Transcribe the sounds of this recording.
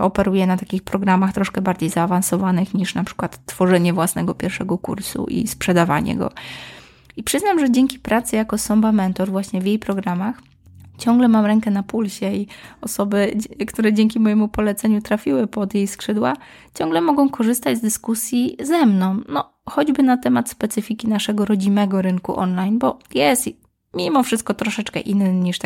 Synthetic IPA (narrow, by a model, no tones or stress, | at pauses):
ɔpɛɾujɛnat̪akʲixpɾɔɡɾamaxt̪ɾɔʂkɛbaɾd͡ʑejzaːvansɔvanɘxɲiʂnapʂɘ̥kwat̪ːfɔʐɛɲɛvwasnɛɡɔpʲjɛɾfʂɛɡɔkṵɾsṵʔḭspʂɛd̪ava̰ɲɛ̰ɡɔ̰ | ipʂɘznamʐɛd͡ʑɛŋkʲipɾat̪sɘjakɔsɔmbamɛnt̪ɔɾvwaɕɲɛvʲjejpɾɔɡɾamax | t͡ɕɔŋɡlɛmamɾɛŋkɛnapulɕɛiɔsɔbɘkt̪uɾɛd͡ʑeŋkʲimɔjɛmupɔlɛt̪sɛɲut̪ɾafʲiwɘpɔd̪jejskʂɘd̪wa | t͡ɕɔŋɡlɛmɔɡɔ̃w̃kɔʐɘst̪ad͡ʑzd̪ɘskusʲjizɛmnɔ̃w̃nɔ | xɔd͡ʑbɘnat̪ɛmat̪spɛt̪sɘfʲikʲinaʂɛɡɔɾɔd͡ʑimɛɡɔɾɘŋkṵʔɔ̰nlajnbɔjɛst̪ | mʲimɔfʂɘst̪̚kɔt̪ɾɔʂɛt͡ʂkɛ̰ʔinːɲiʂt̪